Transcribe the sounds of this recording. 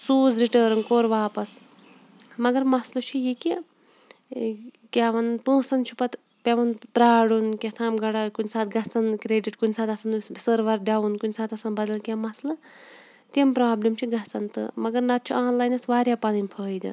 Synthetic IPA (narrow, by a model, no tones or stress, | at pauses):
suːzɾiʈəːɾɐnkoːɾʋaːpɐs | mɐɡɐɾmɐslɐt͡ʃʰijike | kʲaʋɐnpɨ̃ːsɐnt͡ʃʰu̥pɐt̪ | pʲeʋɐnpɾaːɽunkʲet̪ʰãːmɡɐɽakunʲsaːt̪̚ʰɡɐt͡sɐnkɾeːɖiʈkunʲsaːt̪ɐsɐnsəɾʋɐɾɖawunkunʲsaːt̪ɐsɐnbɐd̪ɐlkʲamɐslɐ | t̪impɾaːblimt͡ʃʰiɡɐt͡sɐnt̪ɨ̰mɐɡɐɾnɐt̪̚t͡ʃʰuãːnlaːjnɐsʋaːɾʲjaːpɐnɐnʲpʰəːjd̪ɨ̰